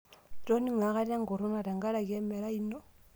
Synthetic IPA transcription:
tɔ˦ni˦ŋa˨˦ɣa˦ɾa˦ŋɡɔ˨ɾɔ˦na˨ɾa˨ŋɡa˦ɾa˨kɛ˦mɛ˨ɾa˦i˦nɔ˦

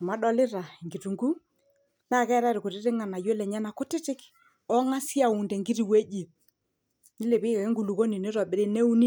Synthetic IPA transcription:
ɔ˨ma˨˦ɗɔ˦lɪ˦ɾa˨i˨ŋɡi˨tu˨ŋɡu˦ | na˦˨kɛ˦ɾa˦ɾɪ˨kʊ˨ɾɪ˦ɾɪ˦ŋa˨na˨je˦lɛ˨ɲa˦na˨kʊ˦tɪ˦tɪ˦k | ɔ˦ŋa˦si˦a˨u˨ndɛ˨ŋɡi˦ɾi˨we˦d͡ʒi˨ | nɪ˦le˨pɪ˦kɛ˨ke˦ŋɡu˨lu˨ko˦ni˨nɪ˦ɾɔ˨bɪ˨ɾɪ˦ne˦u˦ni˦

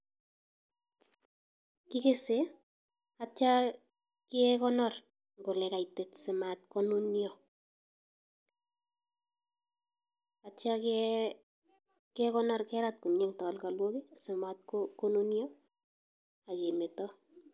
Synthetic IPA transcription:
ki˦ke˦se˦ | a˦t͡ʃa˦ | ke˦kɔ˦nɔ˨r | ŋɡo˨lɛ˨ka˨jte˨tse˨ma˨t̚ko˦nu˦njɔ˨ | a˨t͡ʃa˦kɛ | ke˦kɔ˦nɔ˦rkɛ˦ɾa˦t̚ku˨ɲe˦ŋtɔ˨lka˨lwo˦ki˦sɪ˨ma˨t̚koko˦nu˦njɔ˦ | a˨ke˨me˨tɔ˦

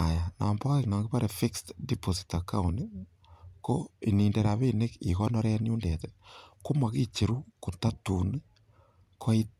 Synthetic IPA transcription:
a˨ja˨na̰˨mba˦eknɔ˨ŋɡɪ˦pa˦ɾʔe˨fi˦kstdipo˨si̥ta˨ka˦undi | ko˦ḭ˨ni˨nde˨ɾa˨βe˦ne˦kḭ˨kɔ˦nɔ˦ɾɛ˦nju˦ndɛ˨tɛko˦ma˨ki˦t͡ʃe˨ɾu˦ko˨ta˦tu˨n˦ | kʰo˦i˦

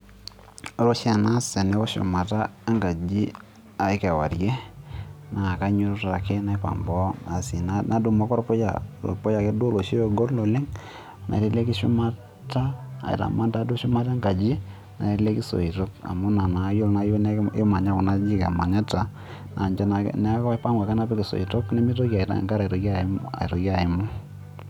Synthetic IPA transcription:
ɔ˨˦ɾo˦ʃa˨na˦sɛ˨nɛ˦kɔ˦ʃʊ̰˨ma˨ta˦a˦ŋɡa˨d͡ʒi˦ | a˨ɪ˦kɛ˨wa̰˨ɾjɛ˦ | na˨ka˦ɲu˦ɾta˨ke˦na˦pa̰˨mbɔ˦na˨si˨na˦na˨du˨mɔ˦kɔ˦ɾpɔ˦ja̰˨lo̰˨pɔ˦ja˨kɛ˦do˦lo˨ʃe˦o˨ɡo˦ɾlo˨lɪ˦ŋ | na̰˨ɾe˦le˦kɪ˦ʃṵ˦ma˦ | ta̰ː˦˨ḭ˨ta̰˨ma˦nta˦dʊ˦ʃʊ˦ma˦ta˦ŋɡa˨d͡ʒi˦ | na̰˨˦le˦ki˦so̰˨i˨to˦ka̰˨mʊ˦na˨na˨˦jo˦lna˦jo˦n˦ɪ˦ma˨ɲa˦kʊ˨na˦d͡ʒi˦kḛ˨ma˨ɲa˦ta˨ | na˨ɲt͡ʃa˦na̰˨nɛ˦kpa˦ŋa˨ka˦na˦pɛ˦kɪ˨so̰˨i˨to˦knɛ˦mi˦to˦ka˨i˨ta̰˨ŋka˦ɾa˨ɾo˨˦ka˨˦a̰˨i˨ɾo˨kja˨ɪ˨mʊ˦

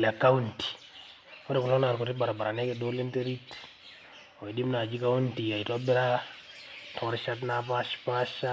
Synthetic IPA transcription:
la˨ka˦unti̥˨ | ɔ˦ɾe˨ku˨lɔ˦na˨ɾku˨ɾi˦ba˨ɾa˨ba˨ɾa˨nɛ˦kedo˦li˦nte˦ɾi˦t | o˨i˨di˦mna˨d͡ʒi˦ka˦unti˨a˨itɔ˦bɛ˦ɾa˦ | tʰɔɾʃa˦t̬napa˦ʃpa˦ʃa

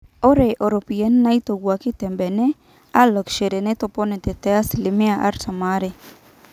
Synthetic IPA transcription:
o˦ɾe˨ʔo˨ɾo˨pi˨e˦n˦na˦i˦t̪o˨ɡwa˨kɪ˦t̪ɛ˨mbɛ˨nɛ˦ | a˦lɔ˨kʃe˨ɾe˨nɛ˦t̪o˨pɔ˦nɛ˨t̪ɛ˨t̪ɛ˨˦a˦slɪ˨mɪ˦a˦˨ʔa̰˦ɾsa˨ma˨˦ɾe˨

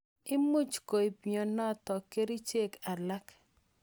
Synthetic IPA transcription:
ɪ˦mu˦t͡ʃko˨i˨piɔ˨nɔ˦tɔ˨ke˦ɾi˦t͡ʃe˦˨ka˨la˦k

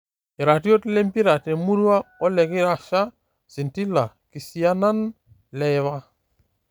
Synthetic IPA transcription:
i˨ɾa˨ti˦o˦tle˦mpi˦ɾa˨te˨mu˦ɾu˦wa˦o˦le˨ki˦ɾa˦˨ʃa˦ | si˨nti˦la˨ | ki˨si˨a˦na˦n | lɛ˨βa˦

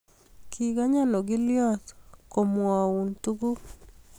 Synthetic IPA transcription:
kʰi˨ɡa˦ɲa˦no˨ɡɪ˦ljɔ˦tko˨mwa˨u˨ntu˦ɡu˦

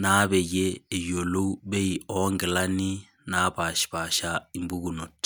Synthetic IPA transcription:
na˦βe˨jeː˦˨jo˨lo˦u˦be˦i˨ɔ˨˦ŋɡɛ˨la˦ni˦ | na˦ba˨ʃba˨ʃa˦i˦mbu˦ɡu˨no˨t

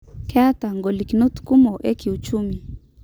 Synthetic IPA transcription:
kɛ˦a˦ta˨ŋɡɔ˨li˨ki˨no˦tu̥ku˦mɔ˨ʔɛ˦kiut͡ʃumi˨

